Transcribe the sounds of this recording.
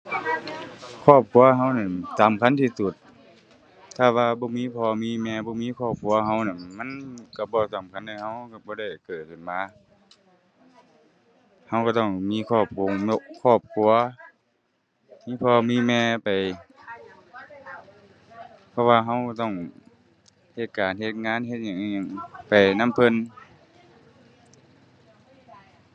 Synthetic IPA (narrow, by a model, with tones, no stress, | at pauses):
kʰɔː˧˥˩p̚kʰu˧˦ɐ˧ɦa˧˩wna˧˩˨saː˨˦mkʰa˧˥˨nt̪ʰiː˧˨su˨˩t̪̚ | aː˧˩waː˧bɔː˧˦miː˧˥˨pʰɔː˧miː˧˥˨mɛː˧˨bɔː˧˦miː˧˥˨kʰɔː˧˩p̚kʰu˧˦ɐɦa˧˩wna˧˩˨nma˧˥˨nka˧˩bɔː˧sa˨˦mkʰa˧˥˨na˧˩ha˧˥˩wka˧˩bɔː˧ɾa˧˩jkɤː˨˩t̪̚kɯ˨˩nmaː˧˥˨ | ha˧˥wka˧˩t̪ɔ˧˩ŋmiː˧˥˨kʰɔː˧˩p̚kʰo˧˨ŋmo˧kʰɔː˧˩p̚kʰu˧˥ɐ | miː˧˥˨pʰɔː˧miː˧˥˨mɛː˧pa˨˩j | pʰɔ˧waː˧ɦa˧˥˨wka˧˩t̪ɔ˧˥˩ŋ | he˧˦t̪̚kaː˨nhe˧t̪̚ŋaː˧˥˨nɦe˧t̪̚ɲa˧˨ŋ˧ɲa˧˨ŋpa˨˩jna˧˥˨mpʰɤ˧˥˨n